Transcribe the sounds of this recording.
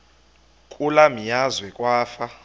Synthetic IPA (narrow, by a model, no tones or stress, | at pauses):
kʼulamijazwɛkʼwaːfa